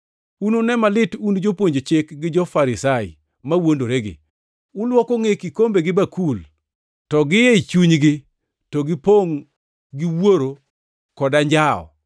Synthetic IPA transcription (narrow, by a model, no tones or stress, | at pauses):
unonɛmalɪtund͡ʒopwoɲd͡ʒot͡ʃɪkɡɪd͡ʒɔfaɾɪsaɪ̰ | mawondoɾeɡɪ̰ | ʊlwɔkɔŋekikombeɡɪbakul | tɔɡɪjeit͡ʃuɲɡɪ | tɔɡɪpoŋ | ɡɪwoɾo | kɔdaɲd͡ʒaɔ̰